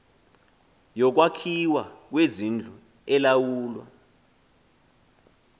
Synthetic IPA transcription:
jɔk̬wakʰiwak̬wezind͡ɮʱu | ɛlawuːlwa̰

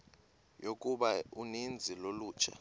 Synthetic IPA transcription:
jok̬ʼuɓaunind͡zʱiloluːt͡ʃʰa̰

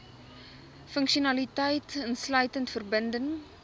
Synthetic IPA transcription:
fəŋkʃiunɐlitəjtənslœɥtəntfərbəndəŋ

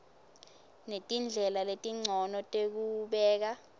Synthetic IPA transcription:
netʼind͡ɮʱɛlaletʼiŋ͡ǀʱɔnɔtʼek̬uɓɛːk̬a

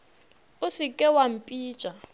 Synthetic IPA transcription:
ʊsɪkʼɛwam̩pʼi̥ːt͡ʃʼa

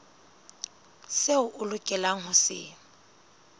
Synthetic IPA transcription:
seʊʔʊlʊkʼɛlaŋ̩ɦʊsɪ̰ŋ̩

